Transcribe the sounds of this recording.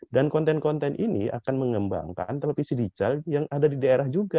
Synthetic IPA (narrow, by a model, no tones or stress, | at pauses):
dankɔnt̪ɛnkɔnt̪ɛnʔinia̰kanməŋəmba̰ŋka̰nt̪əlapisədit͡ʃaljaŋadadidaeɾahd͡ʒuɡa